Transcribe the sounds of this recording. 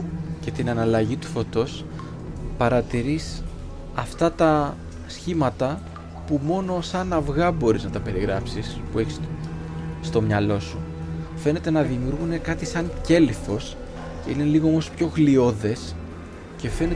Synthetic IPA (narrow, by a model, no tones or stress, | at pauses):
ce̞t̪inɐnɐlɐʝit̪u̥fo̞t̪o̞s | pɐɾɐt̪iɾis | ɐft̪ɐt̪ɐ | sçimɐt̪ɐ | pumo̞no̞sɐnɐvɣɐbo̞ɾiznɐt̪ɐpe̞ɾiɣɾɐpsispue̞çi̥s | st̪omɲɐlo̞sufe̞ne̞t̪e̞nɐðimiuɾɣune̞kɐt̪isɐɲce̞lifo̞s | ce̞ine̞liɣo̞o̞mo̞spço̞xlio̞ðe̞s | ce̞fe̞ne